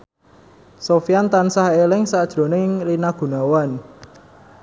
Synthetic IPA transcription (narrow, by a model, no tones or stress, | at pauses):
sofijant̪ansaɦelɪŋsad̥ʒ̥ɾo̤nɪŋrinaɡ̥ṳnawan